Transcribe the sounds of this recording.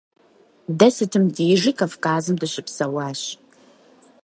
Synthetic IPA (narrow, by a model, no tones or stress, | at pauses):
dɐsɨtʰɨmdiːʐɨkʰɐfkaːzɨmdɨɕɪpsɐwaːɕ